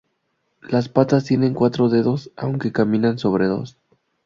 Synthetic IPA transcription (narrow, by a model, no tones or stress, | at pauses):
laspat̪ast̪je̞nẽ̞ŋkwat̪ɾo̞ðe̞ðo̞sa̰wŋke̞kamĩnanso̞βɾe̞ðo̞̰s